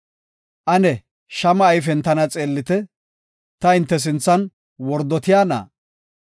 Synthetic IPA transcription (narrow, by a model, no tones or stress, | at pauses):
ʔɐnɛ | ʃɐmɐːjfɛnt̪ɐnɐt͡sʼe̞ːlːɪt̪ɛ | t̪ɐɪnt̪ːɛs̬ɪnt͡sːɐn | wɔɾd̪ɔt̪ɪjaːna̰ː